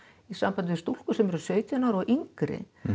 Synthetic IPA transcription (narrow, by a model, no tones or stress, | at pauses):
isampant̪ɪvɪst̪ul̥kʏsɛmɛɾʏ̥sœːɥt̪janaɾɔɣʔiŋkɾɪ̰